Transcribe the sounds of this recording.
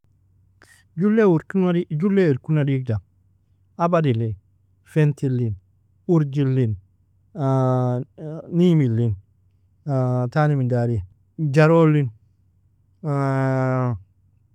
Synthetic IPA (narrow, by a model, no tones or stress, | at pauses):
d͡ʒuleuɾkunaid͡ʒulːeuɾkunadik̚da | abadile | fentilːin | uɾd͡ʒilːin | nimilin | tanimidaɾi | d͡ʒaɾolin